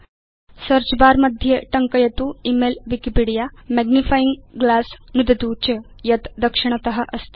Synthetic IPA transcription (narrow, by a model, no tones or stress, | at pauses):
səɾt͡ɕbaɾməd̪ʱjeʈəŋkəjɐt̪uːimelʋikipiɽijamæɡnifajiŋɡɡlasnud̪et̪ut͡ɕə | jɐt̪d̪ɐkʂiɳ̃ət̪ɐɦəʔɐst̪